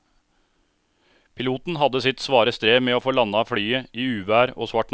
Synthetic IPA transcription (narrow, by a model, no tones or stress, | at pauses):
pʰɪluːt̪n̩ɦɑd̪əsɪt̪sʋɑːɾəst̪ɾeːmeːoːfoːlɑnəɑːfɽyːəiːʉːʋæːɾo̰ːsʋɑʈn